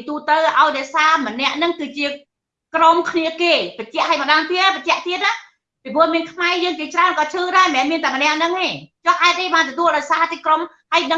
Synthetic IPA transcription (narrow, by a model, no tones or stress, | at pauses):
t̪uːt̪əwʔaɔjɗɛəsaːmə̆nɛ̆əʔnɨŋkɨːt͡ɕiə | kromkʰniəkeːpət͡ɕɛ̆əʔhəːjməɗaːnt̪iət̪̚ːpəc̚t͡ɕɛ̆əʔt̪iət̪̚na | pipʰʊəmiənkʰmaɛjəːŋt͡ɕiət͡ɕraənkɑːt͡ɕʰɨːɗaɛmɛːnmiənt̪aːmənɛ̆əʔnɨŋeːt͡ɕohʔaɛt̪̚ʔeɓaːnt̪ɔt̪uəlɗaɔjsaːt̪ikrom | həjnɨ